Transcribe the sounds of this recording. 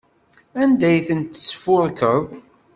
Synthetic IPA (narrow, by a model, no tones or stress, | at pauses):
ænd̪æjθənt̪ːə̥sfʊɾkəðˤ